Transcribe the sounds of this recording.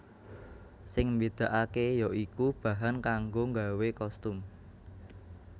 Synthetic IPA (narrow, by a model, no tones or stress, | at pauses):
sɪŋmbed̪̥a̤ʔakejɔʔikub̥ä̤ɦankaŋɡoŋɡawekɔst̪ʊm